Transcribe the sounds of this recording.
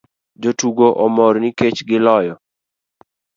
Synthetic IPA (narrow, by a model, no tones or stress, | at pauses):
d͡ʒotuɡoʔɔmɔɾniket͡ʃɡɪlɔjɔ